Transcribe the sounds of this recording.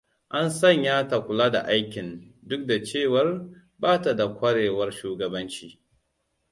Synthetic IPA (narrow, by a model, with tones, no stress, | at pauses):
ʔa˦nsɐ˦˨ɲjaː˦ta˨kʷʊ˨laː˦da̰˨ʔa˦jkʲɪ˨ndʊ˦k̚da˨t͡ʃeː˦˨wɐ˦r | baː˦ta˨da˨kʷɐ˦ɽeː˨wɐ˦rʃuː˦ɡɐ˨bɐ˦nt͡ʃiː˦